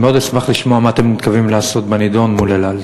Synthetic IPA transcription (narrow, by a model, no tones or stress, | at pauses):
meo̞d̪esmaχliʃmo̞amaat̪e̞mnit̪kavimlaːso̞t̪banid̪o̞nmulelal